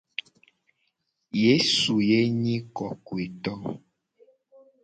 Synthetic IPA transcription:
je˦su˨je˦ɲĩ˦kɔ˨kwe˨t̪ɔ˦

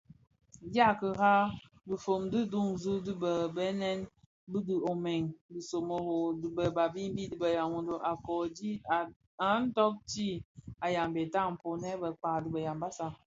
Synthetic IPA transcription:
ɡa˦˨kə˨ɦa˦ | dɨ˨fo˨mdi˦du˦˨ŋzu˦dbə˨bɛ˦nɛ˦n | bi˦dɨ˨o˨mɛ˨ŋdi˨so˨mo˨ho˨dɨ˨bə˨ba˨bi˦m˦bi˦di˨bə˨ja˨mo˨ndo˨ʔa˨kɔ˨d͡ʒi˦˨ | a˨˦n̩˦tɔ˦k̚ti˦a˨ja˨mbe˨ta˦˨m̩˨po˨nɛ˦bə˨k͡pa˨di˨bə˨ja˨mba˦sa˨

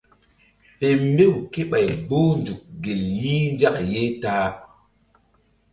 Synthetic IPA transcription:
he˨mbe˦wke˦ɓa˨jbo˦nd͡ʒu˨k̚ɡe˨lji˦nd͡ʒa˦kje˦taː˦

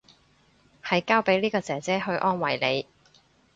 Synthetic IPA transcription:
hɐ˨jkaː˥wpe˨˥jliː˥kɔː˧t͡sɛː˨˩t͡sɛː˨˥ɦɵ˧ɥʔɔː˥nwɐ˨˩jle˨˧j

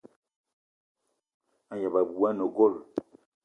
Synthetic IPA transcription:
a˦ja˨ba˨bu˨a˦no˨ɡo˦˨l

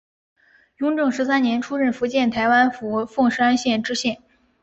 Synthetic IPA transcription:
jʊ˧˥ŋʈ͡ʂɤ˥˩ŋʂɻ̩˧˥sa˥nnjɛ˧˥nʈ͡ʂʰu˥ɻə˥˩nfu˧˥t͡ɕjɛ˥˩nt̪ʰa˧˥ɪwa˥nfu˧˥fɤ˥˧ŋʂ̩˥a˥nɕjɛ˥˩nʈ͡ʂɻ̩˥ɕjɛ˥˩n

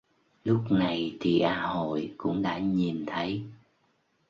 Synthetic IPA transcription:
lʊ˦˥k͡p̚na˨˩jt̪ʰi˨˩ʔaː˧ho̰˧˨jkʊ̰˧˥ŋ͡mɗa̰ː˧˥ɲi˨˩nt̪ʰə˨˦j

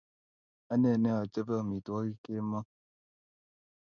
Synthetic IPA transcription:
a˦ne˦˨ne˦a˨t͡ʃə˦ba˦˨mi˨tu˨a˦i˦ke˦ma˦

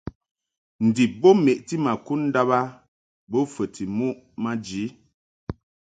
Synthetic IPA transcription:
n̩˨di˨p̚bo˦me˨ʔti˦ma˨ku˦n̩˦da˦ba˦ | bo˦fə˨tʰi˨mu˦ʔ | ma˦d͡ʒi˨˦

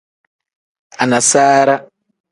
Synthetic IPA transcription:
a˨na˨saː˦ɾa˦

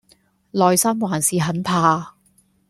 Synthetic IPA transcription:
lɔː˨jsɐ˥mwaː˨˩nsiː˨ɦɐ˨˥npʰaː˨˧

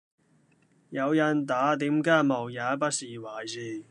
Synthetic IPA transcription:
jɐ˨˧wjɐ˨nt̪aː˨˥t̪iː˨˥mkaː˥jmɐ˨˩wjaː˨˥pɐ˥t̚siː˨waː˨˩jsiː˧˩

